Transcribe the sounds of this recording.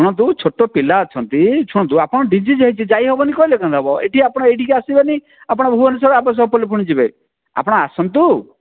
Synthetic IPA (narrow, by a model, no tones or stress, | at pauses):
t͡ʃʰuɽ̃ɔnt̪̬ut͡ʃʰoʈopilaɔt͡ʃʰɔnt̪it͡ʃʰuɽ̃ɔt̪uapɔɽ̃ɔɖid͡ʒid͡ʒeɦit͡ʃʰid͡ʒajɦebɔnikɔilekʰɔ̃nd̪ʱɔbɔḛʈʰiapɔɽ̃ɔejʈikiasibeni | apɔɽ̃ɔbʱuɔnis̬ɔbapɔs̬ɔbpɔlipʰuɽ̃id͡ʒibe | a̰pɔɽ̃ɔasɔnt̪u